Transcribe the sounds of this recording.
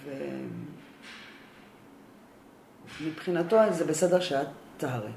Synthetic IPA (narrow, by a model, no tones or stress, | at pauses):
vḛ | mipχinato̞zebesedeʁʃeat͡saɦaʁḛ